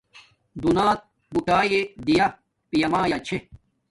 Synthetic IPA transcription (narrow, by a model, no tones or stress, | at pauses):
d̪unaːt̪̚ | buʈaːjed̪ija | pijɐmaːjat͡ɕʰe